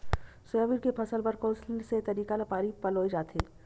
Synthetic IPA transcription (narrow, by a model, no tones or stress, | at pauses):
sʊjaːʋiːɾkepʰɐsəlbɐɾkɔ̃ːslset̪ɐɾiːkalɐpaːɾipɐloːid͡ʒaːt̪eː